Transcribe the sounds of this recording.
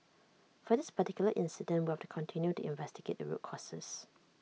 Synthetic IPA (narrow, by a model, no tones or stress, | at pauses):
fɔdɪspətikjuləʔɪ̃nsɪdə̃ntwihɛftu̥kʰɔ̃ntʰĩnjutuʔɪ̰̃ɱvɛstiɡḛt̚də̰ɹṵt̚kʰɔsə̰s